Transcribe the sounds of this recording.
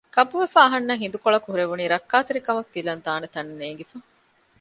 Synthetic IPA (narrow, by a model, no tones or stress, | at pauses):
kɐpuʋefaːɐɦɐnːɐɦind̪ukoɭɐkuɦuɾeʋuniːɾɐkːaːt̪eɾikɐmɐfːilɐnd̪aːnet̪ɐnneːŋɡifɐ